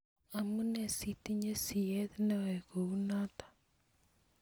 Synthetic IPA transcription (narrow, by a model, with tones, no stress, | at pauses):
a˨mu˦nɛ˨si˦˨ti˦ɲe˦si˨ɛ˦ði˦na˦wɛ˨ɣo˨u˦na˦tḁ˨